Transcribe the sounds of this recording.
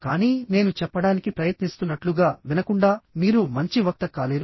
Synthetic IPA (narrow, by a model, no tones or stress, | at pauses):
kaːniːne̞ːnut͡ʃɛpːɐɽaːnikipɾɐjɐt̪nist̪unːɐʈluɡaːʋinɐkuɳɖaːmiːɾumɐɲt͡ʃiʋɐk̚t̪ɐkaːleːɾu